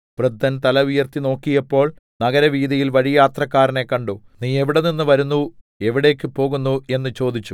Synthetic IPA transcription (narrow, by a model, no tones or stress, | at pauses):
prɨd̪ːɐnt̪ɐlɐujɐrt̪ino̞ːkːijɐpːo̞ːɭ | nɐɣɐɾɐʋiːd̪ijilʋɐɻijaːt̪rɐkːaːɾɐne̞kːɐɳɖoː | niːe̞ʋiɽeninːɨʋɐɾunːu | e̞ʋiɽe̞ːkːɨpo̞ːɣunːue̞nːɨt͡ɕo̞ːd̪it͡ɕːu